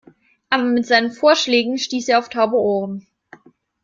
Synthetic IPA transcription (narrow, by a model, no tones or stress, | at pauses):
ʔaːbɐmɪtz̥aɪnənfoːɐʃlɛːɡŋ̩ʃtiːseːɐaʊftʰaʊbəʔoːʁən